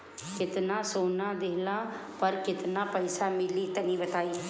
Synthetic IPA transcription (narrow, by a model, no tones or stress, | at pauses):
kɪt̪naːsoːnaːd̪eːlaː | pəɾkɪt̪naːpəjsaːmɪliːt̪ənĩːbət̪aːiː